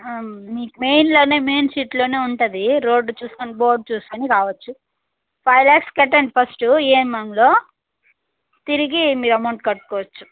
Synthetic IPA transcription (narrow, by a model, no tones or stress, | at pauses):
miːkumejnlo̞ːne̞ːme̞ːnsiːʈlo̞ːne̞ːuɳʈud̪iɾo̞ːɖt͡ʃuːskonbo̞ːɾɖ̚t͡ʃuːskoːnikaːʋɐt͡ʃːu | pʰɐjlaːkskɐʈːɐɳɖipʰɐsʈueːnmɐlo̞ː | t̪iɾiɡimiːɾɐmɐwɳʈ̚kɐɽʈu̥kɔːʋɐt͡ʃːu̥